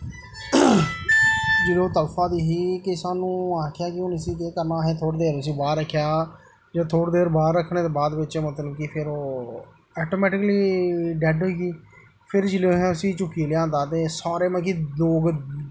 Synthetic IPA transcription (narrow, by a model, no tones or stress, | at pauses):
d͡ʒɪloːt̪əlfʰãːd̪iːɦiːkɪsaːnũːãːkʰɪjaːkɪʊnəsĩːt̪eːkəɾnaːɦeːt̪ʰoːɽd̪eːɾəsĩːbaːɾɾəkʰːjaː | d͡ʒãːt̪ʰoːɽd̪eːɾbaːɾɾəkʰːɳẽːt̪eːbaːd̪ʋɪt͡ʃːmət̪ləbkɪpʰɪɾoː | ɛːʈoːmɛːʈɪkliːɖɛɖɦoiːɡiː | pʰɪɾd͡ʒɪloːɦɛ̃ːəsĩːt͡ʃʊkːiːljãːnd̪aːt̪eːsaːɾeːmãːkiloːɡ